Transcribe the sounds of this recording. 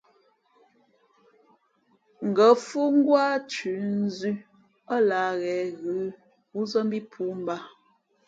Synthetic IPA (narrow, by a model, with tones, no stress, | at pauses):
ŋ̩˨ɡə˨˦fu˦ŋ˦ɡwa˦t͡ʃʉ˨˦n̩˦zʉ˦ | ə˦la˨ɣɛ˨˦ɣʉ˨˦ | u˦zə˦m˦bi˦pʰu˦m˦ba˦